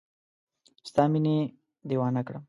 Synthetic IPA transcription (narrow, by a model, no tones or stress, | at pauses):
st̪ɑmine | d̪ewɑnakɽəm